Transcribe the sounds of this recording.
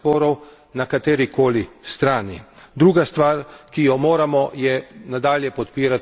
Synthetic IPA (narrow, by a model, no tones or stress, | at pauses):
pɔːɾɔw | nakat̪eːɾikoːlist̪ɾaːnid̪ɾuːɡast̪ʋaːɾkijɔmoːɾamɔjɛnad̪aːljɛpɔt̪piːɾat̪